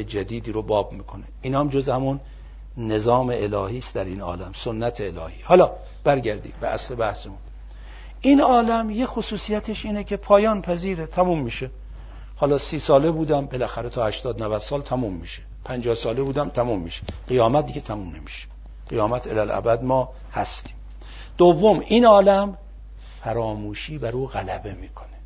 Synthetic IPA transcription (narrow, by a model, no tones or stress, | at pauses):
ed͡ʒæd̪iːd̪iːɾobɒːbmiːkʰoneiːnɒmd͡ʒozehæmunː | e̞zɒːme̞ʔelɒːhiːst̪d̪æɾiːnɒ̰ːlæmsonːæt̪ʰeːlɒ̰ːhiːhɒːlɒː | b̥æɾɡæɾd̪ḭːbeʔæsle̞bæhsemun | ʔiːnɒːlæmjexosuːsijæt̪ʰeʃiːnecʰe̞pʰɒːjɒːnpʰæziːɾet̪ʰæmuːmːiːʃe | hɒːlɒːsiːsɒːlebuːd̪æmbelæxæɾet̪ʰɒːhæʃt̪ɒːd̪nævæd̪̥sɒːlt̪ʰæmuːmːiːʃe̥pʰænd͡ʒɒːhsɒːlebuːd̪æmt̪ʰæmumːiːʃe̥ɢ̥ijɒːmæt̪̚d̪iːɡet̪ʰæmumnemiʃe̥ | ɢ̥ijɒːmæt̪ʰelælæ̰bæd̪mɒː | hæst̪i̥ːm | d̪̥ovːomiːnɒːlæm | fæɾɒːmuːʃiːbæɾuːɣælæbe̞miːkʰone